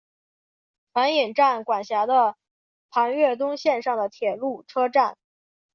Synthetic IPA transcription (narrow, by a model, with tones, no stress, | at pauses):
fa˧˥ni˨˩ŋʈ͡ʂa˥˩nkwa˨˩nɕja˧˥d̪ə˧ | pʰa˧˥nɥɛ˥˩t̪̬ʊ˥ŋɕjɛ˥˧nʂɑ˥˩ŋd̪ə˩t̪ʰjɛ˨˩lu˥˩ʈ͡ʂʰɤ˥ʈ͡ʂa˥˩n